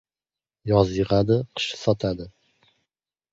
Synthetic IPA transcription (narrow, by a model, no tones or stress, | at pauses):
jɒzjɪʁad̪ɪqʰɨ̥ʃɪ̥sɒt̪ʰad̪ɪ